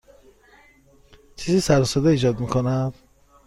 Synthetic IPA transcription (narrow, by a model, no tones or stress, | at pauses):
t͡ʃʰiːzisæɾsod̪eiːd͡ʒɒːd̪mikʰonæd̪̥